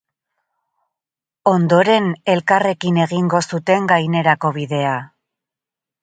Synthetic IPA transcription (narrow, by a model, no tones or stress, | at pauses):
o̞nd̪o̞ɾe̞ne̞lkare̞kine̞ɣiŋɡo̞sut̪e̞ŋɡajne̞ɾako̞βiðe̞a